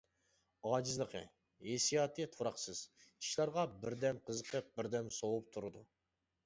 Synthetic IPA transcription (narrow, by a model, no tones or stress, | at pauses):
ɑd͡ʒɨzlˠəqʰə̰ | esijɑt̪ʰɨt̪ʰuɾɑqsɨz̥i̥ʃlˠɑɾʁɑbɪɾd̪ɛmqʰəzəqʰəp̚bɪɾd̪ɛmsowup̚t̪ʰuɾɨd̪u